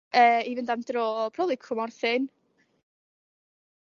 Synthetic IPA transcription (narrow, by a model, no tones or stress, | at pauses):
əːivɪndamdroːpʰrɔblˠɪkʰʊmɔrθɪn